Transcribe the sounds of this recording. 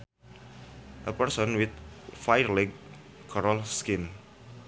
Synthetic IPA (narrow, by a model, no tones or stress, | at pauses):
ʔəpərsɔ̃nwɪt̪̚fajərlɛɡ̚ | kʰɔɾɔlskɪn